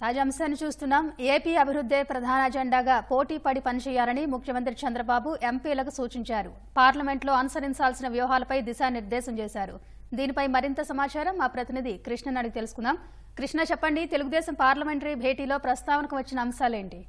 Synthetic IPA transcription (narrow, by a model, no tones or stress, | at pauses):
t̪aːd͡ʒaːɐmʃaːnːit͡ʃuːst̪unːaːme̞ːpiːɐbʱiɾud̪ʱːeːpɾɐd̪ʱaːnɐɐd͡ʒeɳɖaːɡaːpo̞ːʈiːpɐɽipɐnit͡ʃɛːjːaːlɐnimukʰjɐmɐnt̪ɾit͡ʃɐnd̪ɾɐbaːbuʔe̞mpiːlɐkusuːt͡ʃiɲt͡ʃaːɾu | paːɾlɐme̞ɳʈlo̞ːɐnusɐɾiɲt͡ʃaːlsinɐʋjuːɐɦaːlɐpɐjd̪iʃaːniɾd̪ɛːʃɐmt͡ʃɛːʃaːɾṵ | d̪iːnipɐjmɐɾint̪ɐsɐmaːt͡ʃaːɾɐmːaːpɾɐt̪inid̪ʱikɾiʂɳɐnɐɽɐɡit̪e̞lusu̥kunːaːm | kɾiʂɳɐt͡ʃɛpːɐɳɖit̪e̞luɡud̪ɛːsɐmpaːɾlɐme̞ɳʈɐɾibʱeːʈiːlo̞ːpɾɐst̪aːʋnɐkuʋɐt͡ʃːinɐːmʃaːle̞ːɳʈi